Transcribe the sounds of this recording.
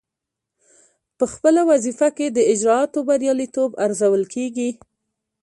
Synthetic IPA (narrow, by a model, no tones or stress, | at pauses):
pəxpəlawazifaked̪əɪd͡ʒɾɑɑt̪obaɾjɑlit̪obaɾzawəlkʰeɡi